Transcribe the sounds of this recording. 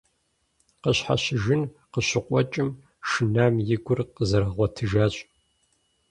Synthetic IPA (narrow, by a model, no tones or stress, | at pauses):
qəɕħa̰ɕɪʒɪn | qəɕɪqʷʼɔt͡ʃʼɪm | ʃɨnaːmjɪɡʷʊrqəzɐɾɐʁʷɔtʰɨʒaːɕʼ